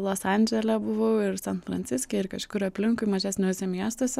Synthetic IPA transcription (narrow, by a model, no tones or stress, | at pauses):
lˠoːsɐnʲd͡ʒʲɛlʲɛbʊʋoʊɪɾsʲɛnfɾɐnʲt͡ssʲɪsʲkʲɛɪɾkɐʃʲkʲkkʊɾʲɐpʲlʲɪŋkʊɪmɐʒʲæːsnʲoːsʲɛmʲiɛst̪oːsʲɛ